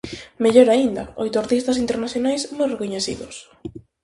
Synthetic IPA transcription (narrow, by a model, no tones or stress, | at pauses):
meʎoɾaind̪ɐ̰o̰jt̪oɾt̪ist̪asint̪eɾnaθjonajsnorekoɲeθḭðʊs